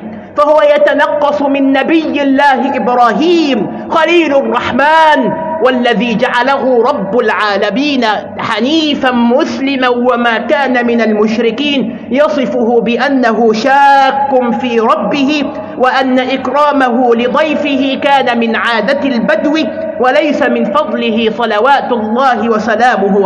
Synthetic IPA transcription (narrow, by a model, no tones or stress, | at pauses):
fahʊwajat̪anɑqːɑsˤmɪnːabɪjːɪlːaːhɪʔɪbɾˤɑːɦiːm | xaliːlɑrˤːɑħmaːn | walːaðiːd͡ʒaʕalaɦʊɾˤɑbːʊlʕaːlamiːna | ħaniːfanmʊslɪmawamaːkaːnamɪnalmʊʃɾɪkiːn | jɑsˤɨfʊhʊbɪʔanːaɦʊʃaːkːʊnfiːɾˤɑbːɪhɪ | waʔanːaʔɪkɾˤɑːmaɦʊlɪd̪ˤɑjfɪhɪkaːnamɪnʕaːd̪at̪albad̪wi | walajsamɪnfɑd̪ˤlɪɦɪsˤɑlawaːt̪ɑlˤːɑːhɪwasalaːmʊh